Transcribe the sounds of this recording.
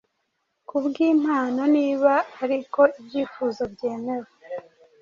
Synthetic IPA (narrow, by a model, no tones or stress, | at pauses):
kubɡiːm̥haːno̞niːβaːɾiko̞ibɟiːfuːzo̞bɟe̞ːme̞ɾwe